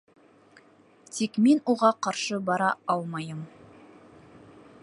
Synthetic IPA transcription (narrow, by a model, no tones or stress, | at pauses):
t̪ʰikmenuʁɑqɑɾʃɤbɑɾɑɑlˠmɑjəm